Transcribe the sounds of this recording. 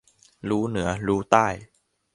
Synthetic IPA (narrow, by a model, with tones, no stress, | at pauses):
ɾuː˦˥nɯ˩˦ɐɾuː˦˥t̪aː˥˩j